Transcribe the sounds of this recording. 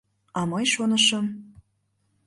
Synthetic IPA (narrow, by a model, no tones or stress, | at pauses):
ɑmɤjʃonəʃə̆m